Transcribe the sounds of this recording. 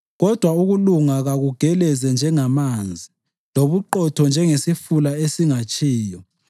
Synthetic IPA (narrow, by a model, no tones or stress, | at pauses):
ɣɔd̥ʱwauɣuluŋaɣaɣuɡ̥ʱɛlɛzɛnd͡ʒʱɛŋamand͡zʱi | loβuǃɔtʰɔnd͡ʒʱɛŋesifulaesiŋat͡ʃʼiːjɔ